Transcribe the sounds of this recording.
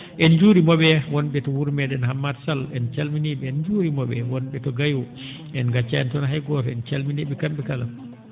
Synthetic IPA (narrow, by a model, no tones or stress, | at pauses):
ʔɛnd͡ʒuːɾimɔɓɛwɔnɓɛtɔwuɾmɛɗɛnɦamːadsalɛnt͡ʃalminiɓɛɛnd͡ʒuɾimɔɓɛwɔnɓɛtɔɡajɔ | ɛnɡat͡ʃːaɛntɔnɦajɡɔtɛnt͡ʃalminiɓɛkamɓɛkalam